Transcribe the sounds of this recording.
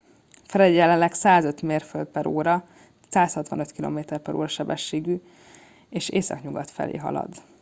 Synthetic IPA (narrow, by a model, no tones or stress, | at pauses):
fɛɾɛɟːɛlɛnlɛksaːzø̞t̪meːrføld̪̚pɛɾoːɾɒ | saːshɒt̪ʋɒnø̞t̪kilo̰ːmeːt̪ɛrpɛɾo̰ːɾɒʃɛbɛʃːeːɡy | eːʃeːsɒ̰kɲuɡɒt̪fɛ̰lḛːɦɒ̰lɒ̰d̪